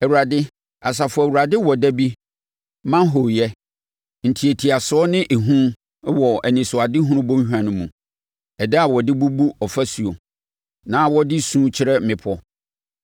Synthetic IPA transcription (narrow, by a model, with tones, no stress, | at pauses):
ɛ˨wu˨ɾa˨dɪ˦ | a˨s̬a˨fʊ˦˨æ˨wu˨ɾa˨dɪ˦wɔ˨dæ˦bi˦ | mã˦n˦ɦo˨jɛ˦ | n̩˨tʰi˨e˨tʰi˨a˨sʊ˨˦ɔ˦nɪ̃˦ʔe˨ɦũ˦ | wɔ˨ɛ˨nĩ˨sʊ˨a˨dɪ˦ɦũ˦ʊ̃˦bõ˦hᶣã˨nʊ̃˦mṵ̃˨ | ɛ˨dɛ˦a˨wɔ˨dɪ˦bu˦bu˦ɔ˨fæ˦su˨o˨ | nãː˨˦wɔ˦dɪ˦sũː˦t͡ɕʰɪ˦ɾɛ˦m̩˦mɪ̃˨pʰɔ˦